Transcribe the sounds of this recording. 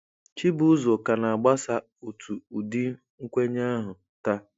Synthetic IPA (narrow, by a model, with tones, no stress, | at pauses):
t͡ʃi˦bʊ˦zo˨ka˨na˨a˨ɡ͡ba˦sa˦ | u˨tʰu˨u˨di˦ | ŋ̩˦kʷe˦ɲa˦ɦʊ˨ | ta˦